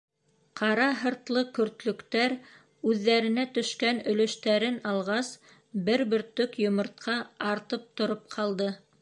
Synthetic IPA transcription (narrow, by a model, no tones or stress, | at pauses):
qʰɑɾɑɦɤ̆ɾt̪lˠɤkɵ̆ɾt̪lɵ̆kt̪æɾ | ʉðːæɾɘ̆næt̪ɵ̆ʃkænɵ̆lɵ̆ʃt̪æɾɘnɑlˠʁɑs | bɘɾbɵ̆ɾt̪ɵkjŏmŏɾt̪̚qʰɑɑɾt̪ɤp̚t̪ŏɾop̚qʰɑlˠd̪ɤ